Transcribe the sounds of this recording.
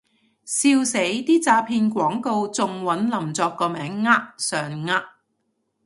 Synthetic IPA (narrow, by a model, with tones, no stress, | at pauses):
siː˧wse˨˥jt̪iː˥t͡saː˧pʰiː˧nkʷɔː˨˥ŋko˧wt͡sʊ˨ŋwɐ˨˥nlɐ˨˩mt͡sɔː˧kːɔː˧mɛː˨˥ŋːaː˥k̚sœː˨ŋŋaː˥k̚